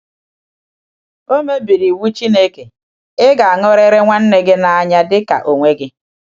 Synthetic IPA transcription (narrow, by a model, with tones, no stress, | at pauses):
o˦me˦bi˨ɾi˨wu˦t͡ʃi˦ne˦ke˨ | ɪ˦ɡa˨a˨ŋɔ˦ɾe˦ɾe˦ŋʷa˦n̩˦ne˦ɡe˦na˨a˨ɲa˦dɪ˦ka̰˨ʔo˨ŋʷe˦ɡɪ˦